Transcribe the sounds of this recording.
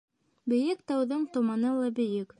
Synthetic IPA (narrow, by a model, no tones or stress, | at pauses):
bɵ̆jɘkt̪ɑwðɤɴt̪ŏmɑnɤlˠɑbɘ̆jɘk